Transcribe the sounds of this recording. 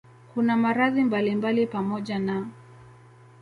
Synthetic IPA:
kunamaɾaðimbalimbalipamɔʄana

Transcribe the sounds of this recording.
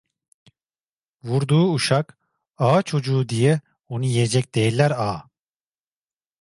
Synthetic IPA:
vuɾd̪uːuʃak | aːt͡ʃʰo̞d͡ʒuːd̪ijɛ | onujijɛd͡ʒɛc̚d̪ejilʲːæɾaː

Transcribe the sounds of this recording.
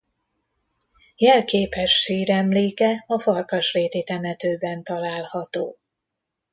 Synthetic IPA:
jɛlkeːpɛʃːiːɾɛmleːkɛɒfɒrkɒʃreːt̪it̪ɛmɛt̪øːbɛnt̪ɒlaːlhɒt̪o̰ː

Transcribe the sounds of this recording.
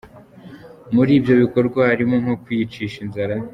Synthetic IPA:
muɾiːbjo̞βiko̞ɾɡwahaɾimo̞ŋho̞kwit͡ʃiːʃinzaɾa

